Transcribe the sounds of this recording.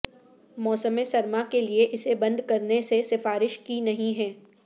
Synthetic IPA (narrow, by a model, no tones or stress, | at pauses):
mɔːsəmẽsɐɾmakelieʔɪsebɐ̃nd̪ʱkɐɾnesesɪfaːɾɪʃkinɐɦĩɦɛ̃ː